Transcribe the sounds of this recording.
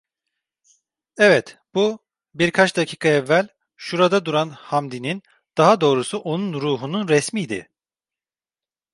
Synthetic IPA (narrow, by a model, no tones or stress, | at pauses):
ɛvɛt̪b̥u | biɾkʰat͡ʃd̪acʰiːkʰaɛvːælʲ | ʃuɾad̪ad̪uɾanhamd̪inin | d̪̥aɦad̪o̞ːɾusuʔo̞nunɾuːɦununɾɛsmijd̪ɪ̰